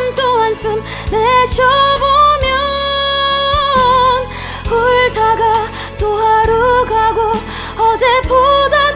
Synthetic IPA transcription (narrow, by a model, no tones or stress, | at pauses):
mt͈omansʰɯm | neɕʰjʌbomjʌ | n | huɭtaɡa | t̪͈oɦaɾoɡaɡo | ʌd͡ʑepoda